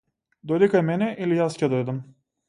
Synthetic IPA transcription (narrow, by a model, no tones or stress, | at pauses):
d̪ɔjd̪ikajmɛnɛʔilijascɛd̪ɔjd̪am